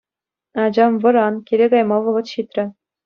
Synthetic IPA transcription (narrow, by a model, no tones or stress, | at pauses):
ɑd͡ʑɑmvɤ̆ɾɑnkʲeɾʲeɡɑjmɑʋɤ̆ʁɤ̆t̪ɕit̪ʲrʲɘ̆